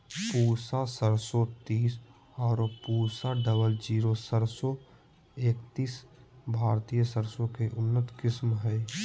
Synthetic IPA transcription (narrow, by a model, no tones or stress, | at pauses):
puːɾsasəɾsɔt̪iːs | ɔːɾpuːɾsaɖəβəld͡ʒiːɾosəɾso | eːkt̪iːsbʱaːɾt̪ijəsəɾsõkeʔʊnːət̪kɪsmɦɛː